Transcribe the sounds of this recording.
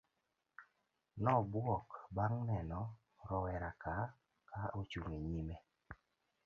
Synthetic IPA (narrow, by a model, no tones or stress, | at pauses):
nɔbwɔkbaŋnɛnɔ | ɾɔwɛɾaka | kaʔot͡ʃuŋeɲime